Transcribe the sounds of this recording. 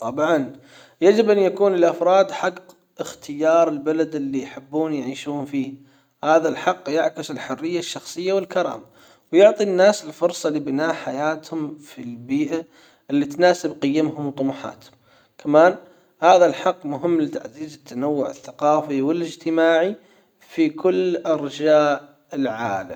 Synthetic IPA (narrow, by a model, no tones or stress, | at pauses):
t̪ˤɑbʕɑn | jad͡ʒɪbʔanjakuːnɪlʔafɾˤɑːd̪ħɑq | ʔɪxt̪ʰɪjɑːɾˤɪlbalad̪ɪlːijħɪbːuːnjʕiːʃuːnfiː | haːðalħɑqːjaʕkɪsɪlħʊrːɪjːaʃːɑxsˤɨjːawɪlkɑɾˤɑ̰ːma | wjʊʕt̪ˤinːaːsɪlfʊɾsˤɑlibɪnaːħajaːt̪hʊmfilbiːʔa | ʔɪlːit̪naːsɪbqɪjːamhʊmt̪ˤːʊmʊħa̰ːt̪hʊm | kʰamaːn | haːðalħɑqːmʊɦɪmːlɪt̪a̰ʕziːzɪt̪ːanawːʊʕɪ̰θːaqɑːfiwɪlɪd͡ʒt̪ɪmaːʕi | fikʊlːʔɑɾˤd͡ʒaːʔ | ɪlʕaːla̰m